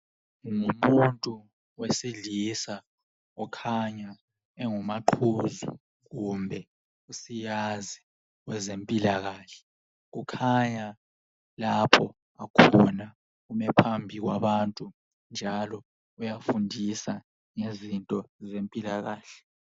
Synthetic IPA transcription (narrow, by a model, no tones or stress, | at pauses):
ŋumuntʼu | wesiɮisa | ɔkʰaɲa | ɛŋumaǃʰuzṵ | ɣumbʱɛ | usijazi | wɛzempʼilaɣaːɬɛ̥ | ɣukʰaɲa | lapʰɔ | akʰɔna | umɛpʰambʱiɣ̬waβantʼu | nd͡ʒʱalɔ | ujafundʱisa | ŋezintʼɔzempʼilaɣaːɬɛ̥